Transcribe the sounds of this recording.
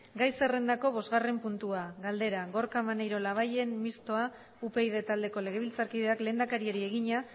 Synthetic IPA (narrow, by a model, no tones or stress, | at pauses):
ɡajse̞re̞nd̪ako̞β̞o̞zɣare̞mpunt̪uaɣald̪e̞ɾaɣo̞ɾkamanejɾo̞laβ̞aje̞nmist̪o̞a | upe̞ijð̞e̞t̪ald̪e̞ko̞le̞ɣ̞e̞β̞ilt͡saɾkiðe̞akle̞ːnd̪akaɾieɾie̞ɣ̞iɲa